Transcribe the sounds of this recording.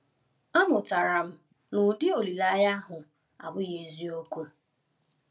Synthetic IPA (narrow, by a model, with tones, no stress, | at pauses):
a˦mʊ˨ta˨ɾa˨m̩˦ | nʊ˨dɪ˦o˨li˨la˨˦ja˦ɦʊ˨ | a̰˨bʊ˦je˨zi˦o˦ku˦